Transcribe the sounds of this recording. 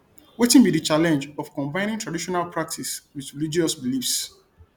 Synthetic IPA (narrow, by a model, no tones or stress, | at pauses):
wetĩnbidət͡ʃalɛ̃nd͡ʒɔfkɔ̃mbãɪ̃ñĩŋtʰɹadiʃɔnalpʰɹak̚tʰiswiðɹelid͡ʒiɔsbilifs